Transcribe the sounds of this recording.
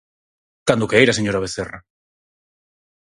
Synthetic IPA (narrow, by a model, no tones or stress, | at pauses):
kand̪ʊkeejɾaseɲoɾaβ̞eθera̰